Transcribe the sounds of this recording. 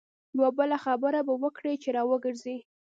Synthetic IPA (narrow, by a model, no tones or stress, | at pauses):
jawabəlaxabəɾabawəkɽet͡ʃeɾɑwəɡəɾzi